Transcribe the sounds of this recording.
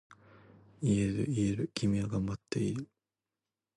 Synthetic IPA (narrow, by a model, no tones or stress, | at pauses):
ie̞ɾɯ̟ieɾɯ̟kʲimʲiaɡãmbat̪ːe̞iɾɯ̟